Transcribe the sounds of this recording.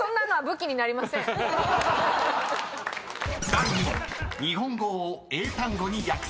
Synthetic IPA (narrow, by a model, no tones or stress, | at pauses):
õnːanoabɯ̟kʲiɲ̟inaɾʲimasẽ | st̪aɾĩɲ̟iɦõ̞ŋɡoːet̪ãŋɡo̞ɲ̟ijakɯ̥